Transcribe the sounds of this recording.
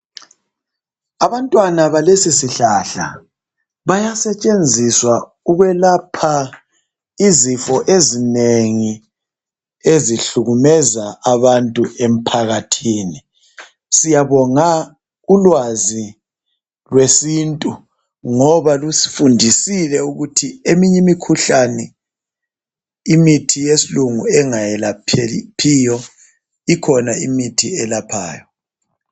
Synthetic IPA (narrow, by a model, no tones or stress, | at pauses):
aβantʼwanaβalesisiɬaɬa̰ | βajasɛt͡ʃʼend͡zʱiswa | uɣwɛlapʰa | izifɔʔezineŋi | eziɬuɣumɛzaʔaβantʼuem̩pʰaɣatʰiːni | sijaβɔŋa | ulwazi | lwesintʼu | ŋɔβalusi̥fundʱisilɛuɣutʰiemiɲɛmikʰuɬanɛ | imitʰijesiluŋuɛŋajɛlapʰɛpʰijɔ | ikʰɔnaimitʰiɛlapʰa̰ːjɔ